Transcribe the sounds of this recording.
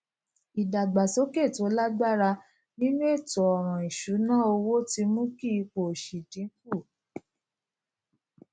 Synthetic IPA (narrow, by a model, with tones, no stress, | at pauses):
i˨da˨ɡ͡ba˨so˨˦ke˦˨to˨˦la˦ɡ͡ba˦ɾa˧ | nĩ˦nũ˦e˦˨tɔ˨ɔ˨ɾ̃ɔ̃˨i˨ʃu˨˦nã˦o˧wo˦ti˧mũ˦ki˦i˧k͡po˨ʃi˨dĩ˨˦ku˦˨